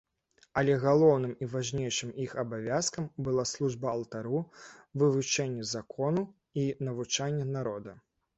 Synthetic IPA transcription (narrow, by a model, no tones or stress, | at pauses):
ɐlʲɛɣalˠɔwnɨmivaʐnʲejʂɨmixɐbavʲaskɐmbɨlˠaslˠuʐbɐɐlˠt̪aɾuvɨvut͡ʂɛnʲːɐzakʰɔnu | inɐvut͡ʂanʲːɐnaɾɔd̪ɐ